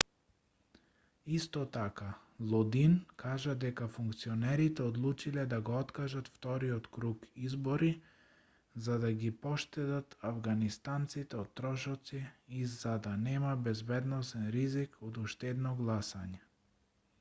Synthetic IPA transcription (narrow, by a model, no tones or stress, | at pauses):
ist̪ɔt̪aka | lˠɔd̪inkʰaʒad̪ɛkafuŋkt̪sionɛɾit̪ɛod̪lˠut͡ʃilɛd̪aɡoɔt̪kaʒat̪ft̪ɔɾiɔt̪kɾukizbɔɾi | zad̪aɡipɔʃt̪ɛd̪at̪avɡanist̪ant̪sit̪ɛot̪ːɾɔʃɔt̪siizad̪anɛmabɛzbɛd̪nɔsɛnɾizikod̪uʃt̪ɛd̪nɔɡlˠasaɲɛ